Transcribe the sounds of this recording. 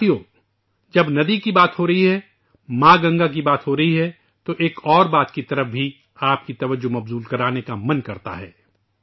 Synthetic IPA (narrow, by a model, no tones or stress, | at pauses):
ijoː | d͡ʒɐbnɐd̪ikibaːt̪ɦoɾɐɦiɦɛ | mãːɡɐ̃ŋɡak̬ibaːt̪ɦoɾɐɦiɦɛ | t̪oʔeːkɔːɾbaːt̪kit̪ɐɾəfbʱi | aːpkit̪ɐʋəd͡ʒːomɐbzuːlkɐɾaːnekamɐnkɐɾt̪a̰ɦɛ̰ː